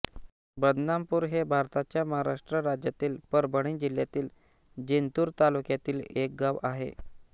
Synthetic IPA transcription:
bəd̪nampuːɾɦebʱaɾt̪at͡ɕjaməɦaɾaʂʈɾəɾad͡ʑjat̪iːlpəɾbəɽ̃iːd͡ʑiljat̪iːl | d͡ʑent̪uːɾt̪alukjat̪iːlek̚ɡaʋaɦḛ

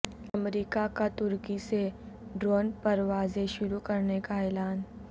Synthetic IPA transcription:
ɐmɾiːkakat̪ʊɾkiseɖɾoːnpɐɾʋaːzeʃʊɾukɐɾnekaɛːlaːn

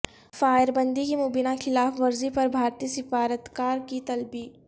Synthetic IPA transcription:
faːjəɾbə̃nd̪ikimʊbinaxʰɪlaːfʋɐɾzipɐɾbʱaːɾt̪iːəsɪfaːɾət̪kaːɾkit̪ɐlbiː

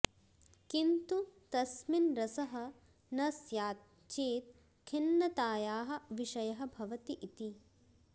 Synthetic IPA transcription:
kint̪ut̪ɐsminɾɐsɐɦɐ̆ | nɐsjaː | t͡ʃeːt̪̚ | kʰinːɐt̪aːjaːɦɐ̆ʋiʃɐjɐɦɐ̆bʱɐʋɐt̪iʔit̪i

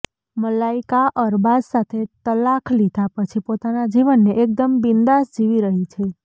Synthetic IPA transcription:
məlaikaʔəɾbad̪sat̪ʰet̪əlakʰlid̪ʱapət͡ʃʰipot̪anad͡ʒiʋənːeʔek̚d̪əmbind̪asd͡ʒiʋiɾəɦit͡ʃʰe

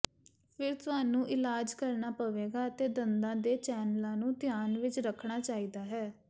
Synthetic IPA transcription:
pʰɪɾt̪ʊaːnũːʔɪlaːd͡ʒkəɾnaːpəʋeːɡaːət̪eːd̪ənd̪ãːd̪eːt͡ʃɛːnlãːnũːt̪ɪjaːnʋɪt͡ʃɾəkʰɳaːt͡ʃaːiːd̪aːɦɛː

